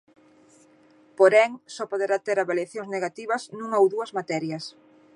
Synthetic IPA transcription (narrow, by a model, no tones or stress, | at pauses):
poɾɛŋsɔpoðeɾat̪eɾaβaljaθjõŋzneɣat̪iβɐsnũŋowðuɐzmat̪ɛɾjɐs